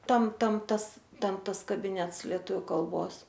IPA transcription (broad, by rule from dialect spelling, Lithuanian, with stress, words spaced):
ˈtɐm ˈtɐm ˈtɐs ˈtʲɛn ˈtɐs kɐbʲɪˈnʲɛts lʲiɛˈtʊʋʲʊ kɐlˠˈboːs